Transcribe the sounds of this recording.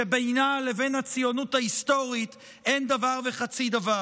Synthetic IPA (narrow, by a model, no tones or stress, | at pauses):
ebejnale̞ve̞nhat͡sijo̞nuthaisto̞ʁit | e̞nd̪avaʁveχat͡sid̪ava